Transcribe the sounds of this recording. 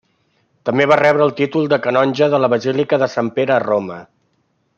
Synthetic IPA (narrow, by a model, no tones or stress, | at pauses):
t̪əmbeβarɛβɾəːlˠt̪it̪ulˠd̪əkənɔnʲʒəðələβəzilikəðəsampeɾəːromə